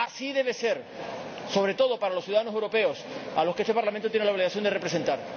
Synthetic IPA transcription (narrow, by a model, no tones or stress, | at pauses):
asiðe̞βe̞se̞ɾso̞βɾe̞t̪o̞ðo̞paɾalo̞sθjuðaðanoe̞wɾo̞pe̞o̞saloskest̪epaɾlamẽnt̪ot̪jenelao̞β̞liɣaθjo̞nd̪ere̞pɾe̞se̞nt̪aɾ